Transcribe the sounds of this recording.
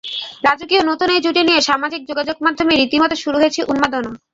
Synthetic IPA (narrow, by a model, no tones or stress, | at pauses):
ɾad͡ʑokionot̪uneɾd͡ʑuʈinijeʃamad͡ʑik̚d͡ʑoɡad͡ʑoɡ̚mad̪ʱːomeɾit̪imɔt̪oʃuɾuɦoet͡ɕʰeʔunmad̪ona